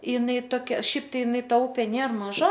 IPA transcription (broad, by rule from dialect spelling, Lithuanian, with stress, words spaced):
ɪˈnɐɪ toːˈkʲɛ ˈʃʲɛɪp ˈtɐɪ ɪˈnɐɪ ˈtɐ ˈʊpʲeː ˈnʲeːr mɐˈʒɐ